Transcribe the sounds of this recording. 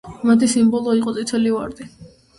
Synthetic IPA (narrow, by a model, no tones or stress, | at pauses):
mat̪ʰisimbɔlˠɔiqʼɔt̪sʼit̪ʰɛliva̰ɾd̪i